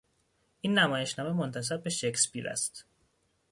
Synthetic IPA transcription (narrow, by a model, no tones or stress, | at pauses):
ʔiːnːæmɒːje̞ʃnɒːme̞mont̪ʰæs̬æb̚ːe̞ʃe̞kspḭɾæ̰st̪